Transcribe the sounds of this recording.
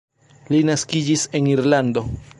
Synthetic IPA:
linaskid͡ʒise̞niɾlando̞

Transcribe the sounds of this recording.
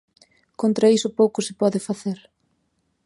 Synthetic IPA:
kont̪ɾaisʊpowkʊsɪpɔðɪfaθeɾ

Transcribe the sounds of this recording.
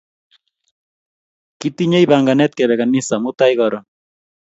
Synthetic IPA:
kit̪iɲejbaŋɡanɛt̪̚kɛβɛkanːisamut̪ajɣɔɾɔn

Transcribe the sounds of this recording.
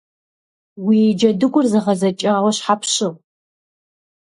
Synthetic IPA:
wid͡ʒɐdɨɡʷʊrzɨʁɐzɐt͡ʃʼaːʁʷɔɕħapʰɕɨʁ

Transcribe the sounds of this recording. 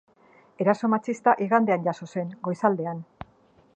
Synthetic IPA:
e̞ɾaso̞mat͡sist̪aʔiɣand̪e̞anɟaso̞se̞ŋɡojsald̪e̞an

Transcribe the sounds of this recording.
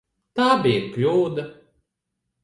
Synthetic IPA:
t̪aːbiɾklʲuːd̪a

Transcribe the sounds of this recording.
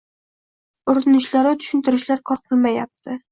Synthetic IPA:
ʊɾɪnɪʃlaɾɪt̪ʰʊ̥ʃɪnt̪ʰɪɾɪʃlaɾkʰɒɾqʰɨlˠmajap̚t̪ʰɪ

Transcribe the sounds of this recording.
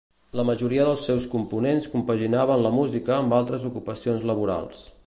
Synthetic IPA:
ləməʒuɾiəðəlˠsːɛwskumpunenskumpəʒinaβənləmuzikəːmbalˠt̪ɾəzukupəsionzləβ̞uɾa̰lˠs

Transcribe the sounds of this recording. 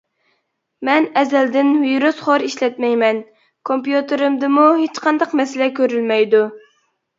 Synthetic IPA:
mɛnɛzɛld̪ɪnviɾusχoɾiʃlɛt̪mɛjmɛn | kʰompjut̪ɨɾɨmd̪ɨmuɦet͡ʃqʰɑnd̪ɑqmɛsɪlɛkʲʰøɾylmɛjd̪u

